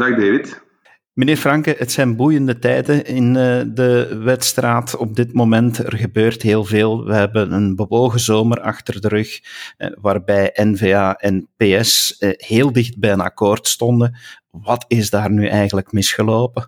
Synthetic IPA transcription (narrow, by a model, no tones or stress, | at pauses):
daxdeːvɪt | məneːrfrɑŋkəətsɛjnbujəndətɛjdəɪndəʋɛtstraːtɔb̚dɪtmoːmɛntə̰rɣəbøːrtɦeːlˠveːlˠʋəɦɛbənənbəʋoːɣəzoːmərɑ̰xtərdəɾʏxʋaːrbɛjʔɛnveːaːʔɛnpeːɛsheːlˠdɪxd̚bɛjənɑ̰koːrtstɔndə | ʋɑtɪzdaːrnyʔɛjɣələkmɪsxəloːpə